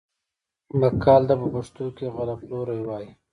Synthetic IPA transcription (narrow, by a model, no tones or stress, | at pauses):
makʰːɑːld̪apəbəʂt̪okeɣalaploɾajwɑːji